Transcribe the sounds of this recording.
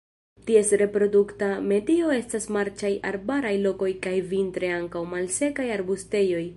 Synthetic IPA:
tie̞sɾe̞pɾo̞duktame̞dio̞e̞stasmaɾt͡ʃajʔa̰ɾbaɾajlo̞ko̞jkajvintɾe̞aŋkawmalse̞kajaɾbuste̞jo̞j

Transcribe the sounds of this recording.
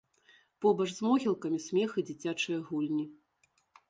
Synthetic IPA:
pɔbɐʐzmɔɣʲilˠkɐmʲisʲmʲɛxɨd͡zʲit͡sʲat͡ʂɨjɐɣulʲnʲi

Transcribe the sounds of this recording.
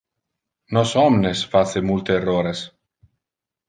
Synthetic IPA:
nɔsɔmnesfat͡s̪emult̪eːroːɾes

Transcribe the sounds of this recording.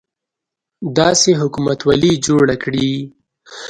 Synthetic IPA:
d̪ɑseɦʊkumat̪walid͡ʒoɽakɽi

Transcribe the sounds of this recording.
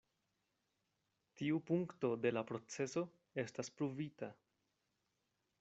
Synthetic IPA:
tiupuŋkto̞de̞lapɾo̞t͡se̞so̞ | e̞staspɾuvita

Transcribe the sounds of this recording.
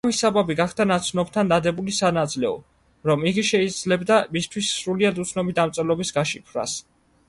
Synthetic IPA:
misababiɡaχd̪anat̪sʰnɔb̚t̪ʰand̪ad̪ɛbulisanad̪zlɛɔ̰ | ɾɔmiɡiʃɛid̪z̥lɛbd̪amist̪ʰwisːɾuliad̪ut̪sʰnɔbid̪amt̪sʼɛlɔbisɡaʃipʰɾa̰s

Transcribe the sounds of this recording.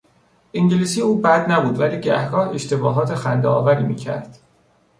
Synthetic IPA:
ʔiŋɟeliːsiːuːbæd̪næbuːd̪væliːɟæ̰hɡɒːhe̞ʃt̪e̞bɒːɦɒːt̪ʰexænd̪eɒ̰ːvæɾiːmḭːcʰæ̰ɾd̪̥

